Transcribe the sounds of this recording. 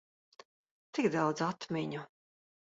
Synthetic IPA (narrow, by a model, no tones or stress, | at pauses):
t̪iɡd̪awd̪zat̪miɲu